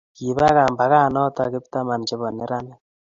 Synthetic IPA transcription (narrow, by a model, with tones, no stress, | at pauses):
ki˨ba˦ka˨mba˨ɣa˦˨nɔ˦ta˨kɪ˦p̚ta˦ma˨nt͡ʃɪ˦βɔ˨nɪ˦ɾa˦nɛ˦